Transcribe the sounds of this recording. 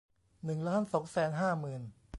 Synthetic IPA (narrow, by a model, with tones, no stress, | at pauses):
nɯ˨˩ŋlaː˦˥nsɔ˩˦ŋsɛː˩˦nɦaː˥˩mɯː˨˩n